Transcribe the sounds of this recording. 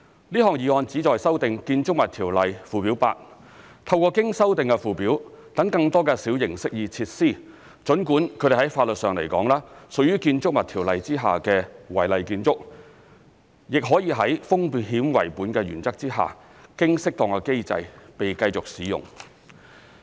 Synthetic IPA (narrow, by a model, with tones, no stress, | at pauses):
liː˥ɦɔː˨ŋjiː˨˩ŋɔː˧nt͡siː˨˥t͡ʃɔː˨jsɐ˥wt̪ɪ˨ŋkiː˧nt͡sʊ˥k̚mɐ˨t̪ʰiː˨˩wlɐ˨jfuː˨piː˨˥wpa̰ː˧k̚ | t̪ʰɐ˧wkɔː˧kɪ˥ŋsɐ˥wt̪ɪ˨ŋkɛ˧fuː˨piː˨˥w | t̪ɐ˨˥ŋkɐ˧ŋt̪ɔː˥kɛː˧siː˨˥wjɪ˨˩ŋsɪ˥k̚jiː˧t͡sʰiː˧t̚siː˥˩ | t͡ʃɵ˨˥nkuː˨˥nkʰɵ˨˧˥ɾe˨˩ɦɐ˨˥jfaː˧lɵ˨t̚sœː˨ŋle˨˩jkɔ̰ː˨˥ŋlaː˥sɵ˨k̚jyː˥kiː˧nt͡sʊ˥k̚mɐ˨t̪ʰiː˨˩wlɐ˨jt͡siː˥ɦa̰ː˨kɛː˧wɐ̰˨˩jlɐ˨jkiː˧nt͡sʊ˥k̚ | jɪ˨k̚ɦɔː˨˥jiː˧ɦɐ˨˥jfʊ˥ŋpi˨t̚hiː˨˥mwɐ˨˩jpuː˨˥nkɛː˧ɥyː˨˩nt͡sɐ˥k̚t͡siː˥ɦa̰ː˨ | kɪ˥ŋsɪ˥k̚t̪ɔ˨˩ŋkɛ˧ke˥jt͡sɐ̰˧jpe˨jkɐ˧jt͡sʊ˨k̚siː˨˥jʊ̰˨˩ŋ